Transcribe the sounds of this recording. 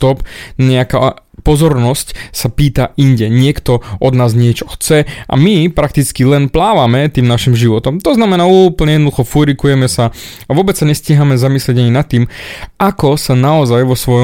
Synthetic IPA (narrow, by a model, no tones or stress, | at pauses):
t̪ɔpɲɛakaːpɔzɔɾnɔscsapiːt̪ainɟɛɲɪɛkt̪ɔʔɔd̪naːzɲɪɛt͡ʃɔ̥xt͡sɛʔa̰mipɾakt̪it͡skilɛnplaːʋamɛt̪iːmnaʃimʒiʋɔt̪ɔmt̪ɔznamɛnaːuːpl̩ɲɛjɛd̪nɔd̪uxɔfuɾikujɛmɛsa | aʋʊɔbɛt͡ssaɲɛsciɪɦamɛzamislɛɟaɲinat̪ːiːmakɔsanaɔzajʋɔsʋɔjɔ